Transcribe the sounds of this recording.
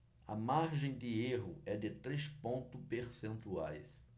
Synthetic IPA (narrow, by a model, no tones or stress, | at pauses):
ɐ̰maɾʒẽj̃d̪ɪeɦʊɛd̪ɪt̪ɾespõnt̪ʊpeɾsẽnt̪uajs